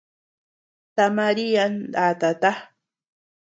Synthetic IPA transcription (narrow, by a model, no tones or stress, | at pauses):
t̪amaɾijand̪at̪at̪a